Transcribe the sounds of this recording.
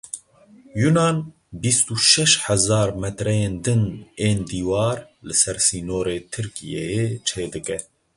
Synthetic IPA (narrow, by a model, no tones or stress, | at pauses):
junɑːn | bist̪uːʃɛʃhɛzɑːɾmɛt̪ɾɛjeːnd̪ɨneːnd̪iːwɑːɾ | lɨsɛɾsiːnoːɾeːt̪ʰɨɾkḭjɛjeːt͡ʃʰeːd̪ɨkɛ